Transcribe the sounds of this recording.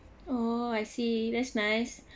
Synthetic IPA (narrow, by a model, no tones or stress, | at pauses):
oajsiðɛtsnaɪs